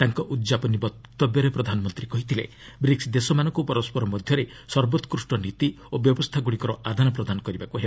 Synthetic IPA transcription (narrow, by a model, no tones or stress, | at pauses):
t̪aŋkɔʔud̪d͡ʒapɔnibɔt̪ːɔbjɔɾepɾɔd̪ʱanɔmɔnt̪ɾikɔɦit̪ʰile | bɾiksd̪esɔmanɔŋkupɔɾɔspɔɾɔmɔd̪ʱjɔɾe | sɔɾbot̪ɔ̥kɾusʈɔnit̪i | objɔbɔst̪ʰaɡuɽikɔɾɔad̪ʱanɔp̬ɾɔd̪anɔkɔɾibakuɦeb